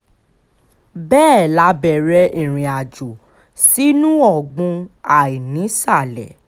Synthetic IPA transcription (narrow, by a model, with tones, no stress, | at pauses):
bɛː˦˨la˨˦bɛ˨ɾɛ˧ĩ˨ɾ̃ĩ˨a˨d͡ʒu˨ | si˦nũ˦ɔ˦˨ɡ͡bũ˧a˨i˨nĩ˨˦sa˦˨lɛ˨